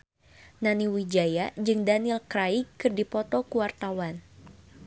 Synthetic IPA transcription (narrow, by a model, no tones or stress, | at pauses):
naniwid͡ʒajad͡ʒɨŋdanilkɾaikɨrdipɔt̪ɔkuwart̪awan